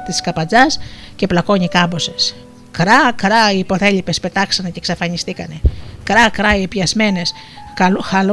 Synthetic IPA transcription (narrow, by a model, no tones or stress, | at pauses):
t̪iskɐpɐd͡zɐsce̞plɐko̞ɲikɐmbo̞se̞s | kɾɐkɾɐiːpo̞θe̞lipe̞spe̞t̪ɐksɐne̞ceksɐfɐɲist̪ikɐne̞kɾɐkɾɐiepjɐzme̞ne̞s | kɐluxɐlu